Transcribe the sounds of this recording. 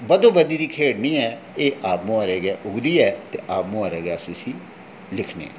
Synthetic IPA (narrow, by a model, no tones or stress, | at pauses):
bəd̪õːbəd̪iːd̪iːkʰeːɽnĩːɛː | eːʔaːpmõaɾeːɡɛːʔʊɡd̪iːɛːt̪eːʔaːpmõaːɾɛːɡɛːsisiː | lɪkʰnḛːɛ̰ː